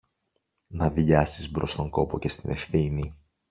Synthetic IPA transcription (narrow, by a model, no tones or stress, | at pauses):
nɐðʎɐsizbɾo̞st̪o̞ŋko̞po̞ce̞st̪inʔe̞fθini